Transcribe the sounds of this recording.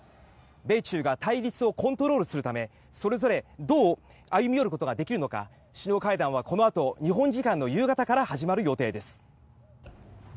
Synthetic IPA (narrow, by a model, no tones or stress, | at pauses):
be̞t͡ɕɨːɡat̪aiɾʲit͡sɨo̞kõ̞nt̪o̞ɾo̞ːɾɯ̟sɨɾɯ̟t̪ame̞ | so̞ɾe̞zo̞ɾe̞d̪o̞ː | ajɯ̟mʲijo̞ɾɯ̟ko̞t̪o̞ɡad̪e̞kʲiɾɯ̟no̞ka̰ | ɕiɲo̞ːkaid̪ãɰ̃βako̞no̞at̪o̞ɲ̟iɦõ̞ɲd͡ʑikãnːo̞jɯːɡat̪akaɾahaʑimaɾɯ̟jo̞t̪e̞ːd̪e̞sɨ̥